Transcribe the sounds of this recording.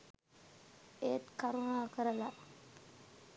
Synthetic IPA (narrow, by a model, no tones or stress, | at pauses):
eːt̪kaɾunaːkəɾəla